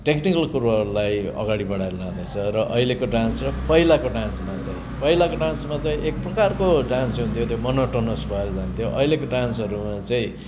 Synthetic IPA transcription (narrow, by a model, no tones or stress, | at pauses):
ʈeknikʌlkuɾʌɦʌɾulajʌ̰ɡaɽibʌɽaɾlawd̪ʌt͡sʰʌɾʌʔʌilekoɖansɾʌpʌɦilakoɖansmat͡saĩpʌɦilakoɖansmat͡saĩʔek̚prʌkarkoɖansɦunt̪ʰjot̪jomʌnoʈʌnʌsbʱʌeɾʌd͡zant̪ʰjoʔʌ̰ilekoɖansɦʌɾumat͡saĩ